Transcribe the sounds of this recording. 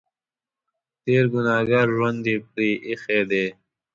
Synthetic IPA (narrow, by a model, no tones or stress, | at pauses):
t̪eːɾɡunaːɡaɾʐond̪ipɾiːʔixeːd̪eː